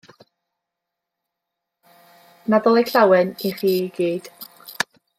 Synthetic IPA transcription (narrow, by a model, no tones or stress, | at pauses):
naðɔlˠejkɬawɛniχiːɡ̥iːd̥